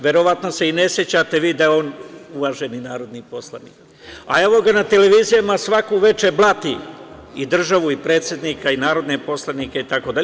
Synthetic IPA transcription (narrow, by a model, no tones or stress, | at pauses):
ʋe̞ɾo̞ʋat̪no̞seine̞sje̞t͡ɕat̪e̞ʋiːd̪ajeo̞ːnuʋaʒe̞ninaːɾo̞d̪nipo̞slˠanḭ | a̰e̞ʋo̞ɡanat̪e̞le̞ʋiːzijamasʋakuʋe̞t͡ʃe̞blˠat̪iid̪r̩ʒaʋuipɾe̞ːt̪sje̞d̪niːkainaːɾo̞d̪nepo̞slˠanikeit̪ako̞d̪aʎe